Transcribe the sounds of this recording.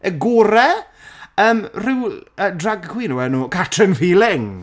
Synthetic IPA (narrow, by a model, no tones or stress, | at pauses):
əɡuɾɛ | əːmrɪwədraɡkʰwiːnuwɛnuːkʰatʰrɪnfiːlˠɪŋ